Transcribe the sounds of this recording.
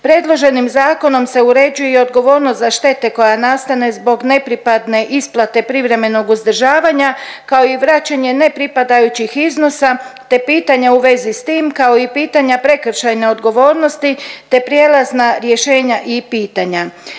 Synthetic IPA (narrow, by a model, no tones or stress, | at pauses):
pɾe̞d̪lˠo̞ʒe̞nimzaːko̞no̞mse̞uɾe̞d͡ʑujeeo̞d̪ɡo̞ʋo̞ːɾnost̪zaʃt̪e̞t̪e̞ko̞janast̪ane̞zbo̞ɡne̞pɾipad̪ne̞ʔisplˠat̪e̞pɾiʋɾe̞me̞no̞ɡuzd̪r̩ʒaːʋaɲakao̞iʋɾat͡ɕaɲe̞ne̞pɾipad̪ajut͡ɕixizno̞sat̪e̞piːt̪aɲauʋe̞zist̪iːmkao̞ipiːt̪aɲapɾe̞kɾ̩ʃajne̞o̞d̪ɡo̞ʋo̞ːɾno̞st̪it̪e̞pɾjelˠaznaɾje̞ʃe̞ːɲaʔipiːt̪aɲa